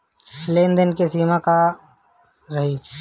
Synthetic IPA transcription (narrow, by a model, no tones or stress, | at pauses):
sleːnd̪ənkesiːmaka | ɾɐɦiː